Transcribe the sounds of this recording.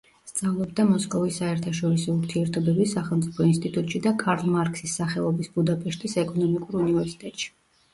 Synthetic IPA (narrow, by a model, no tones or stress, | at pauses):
st̪sʼavlˠɔbd̪amɔskʼɔvisːaɛɾt̪ʰaʃɔɾisɔuɾt̪ʰiɛɾt̪ʰɔbɛbisaχɛlˠmt̪sʼi̥pʰɔinst̪ʼit̪ʼut̪ʼʃid̪akʰaɾlˠmaɾkʰʼsisːaχɛlˠɔbisbud̪apʼɛʃt̪ʼisɛkʼɔnɔmikʼuɾunivɛɾsi̥t̪ʼɛt̪ʼʃi̥